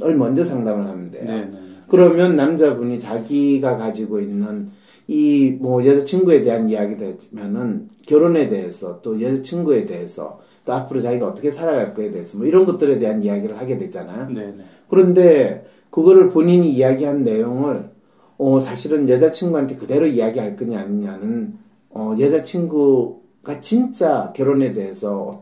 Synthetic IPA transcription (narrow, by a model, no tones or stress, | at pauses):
ʌɭmʌnd͡ʑʌsʰaŋdamɯɭhanɯndḛjokɯɾʌmjʌnːamd͡ʑabuɲit͡ɕaɡiɡakad͡ʑiɡoinːɯn | imʌjʌd͡ʑat͡ɕʰiŋɡue̞de̞ɦanijaɡided͡ʑmjʌnɯnkjʌɾone̞de̞ɦesʰʌt͈ojʌd͡ʑat͡ɕʰiŋɡue̞de̞ɦe̞sʰʌ̰ | t͈oapʰɯɾot͡ɕaɡiɡaʌt͈ʌkʰe̞sʰaɾaɡaɭk͈oedeesʰʌmwʌiɾʌnɡʌt̚t͈ɯɾe̞de̞ɦanijaɡiɾɯɭhaɡe̞dwe̞t͡ɕ͈anajo | kɯɾʌnde̞ | kɯɡʌɾɯɭpoɲiɲiːjaɡiɦannːe̞joŋɯɭ | ʌsʰaɕʰiɾɯnjʌd͡ʑat͡ɕʰiŋɡuɦantʰekɯde̞ɾoiaɡiɦaɭk͈ɯɲiaɲiɲanɯn | ʌjʌd͡ʑat͡ɕʰiŋɡu | ɡ̥at͡ɕint͡ɕ͈akjʌɾone̞de̞ɦe̞sʰʌʌ